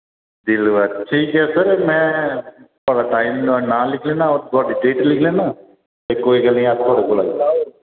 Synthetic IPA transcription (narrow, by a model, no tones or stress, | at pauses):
d͡ʒilʋaʈʰiːkɛːsəɾmɛ̃ːt̪aːɽaːʈaːɪmnãːlɪkʰlẽːnãːoːɾɡ̪ɔːɖɪʈeːʈlɪkʰlẽːnãː | t̪eːkoːiːɡəlnĩːaːt̪ʰːoːɽekola̰ːɡ̪a